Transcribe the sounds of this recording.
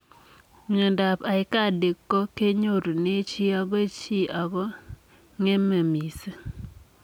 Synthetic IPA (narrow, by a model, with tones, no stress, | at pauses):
ɲ˨o˨nda˨pa˨ɪ˦ka˦˨de˨kːɔ˦ke˦ɲo˦ɾo˨ne˦t͡ʃi˦a˦ɡɔ˦t͡ʃi˦ʔa˨ɡɔ˦ | ŋe˦me˨mi˨se˦